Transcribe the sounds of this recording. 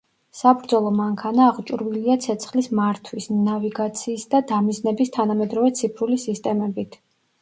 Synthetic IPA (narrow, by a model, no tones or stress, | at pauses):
sabɾd̪zɔlˠɔmaŋkʰanaːʁt͡ʃʼuɾviliat̪sʰɛt̪sʰχlismaɾt̪ʰwisnaviɡat̪sʰiːsd̪ad̪amiznɛbist̪ʰanamɛd̪ɾɔvɛt̪sʰipʰɾulisist̪ʼɛmɛbit̪ʰ